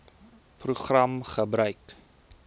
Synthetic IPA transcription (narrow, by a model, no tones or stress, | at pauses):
pruχrɐmχəbɾœɥk